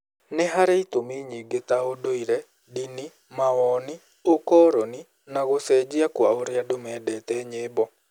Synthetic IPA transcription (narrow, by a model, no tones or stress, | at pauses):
neɦaɾeitomeɲiɡetaodoiɾɛ | dini | mawɔni | okɔɾɔni | naɣosɛd͡ʒiakwaoɾjadomɛdɛtɛɲeːbɔ